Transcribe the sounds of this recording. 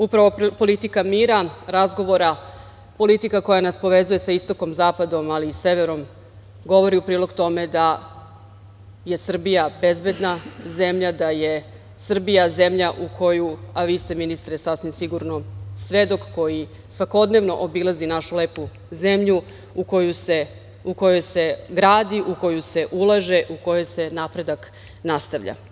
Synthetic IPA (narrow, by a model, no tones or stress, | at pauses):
upɾaʋo̞po̞lit̪ikamiːɾaɾazɡo̞ʋo̞ɾa | po̞lit̪ikako̞janaspo̞ʋe̞zuje̞saist̪o̞ko̞mzaːpad̪o̞malise̞ʋe̞ɾo̞m | ɡo̞ʋo̞ɾiupɾiːlo̞ɡt̪o̞me̞d̪a | je̞sr̩bijabe̞zbe̞d̪naze̞mʎad̪aje̞ | sr̩bijazemʎaʔukʰo̞juaʋiːst̪eminist̪ɾesasʋimsiɡuɾno̞sʋed̪o̞kːo̞ji | sʋako̞d̪ne̞ʋno̞ʔobilˠazinaʃuleːpu | zemʎu | uko̞juse | uko̞jo̞jse̞ɡɾaːd̪iʔuko̞juse̞ʔulˠaʒe̞ʔuko̞jo̞jse̞naːpɾe̞d̪ak | nast̪aʋʎa̰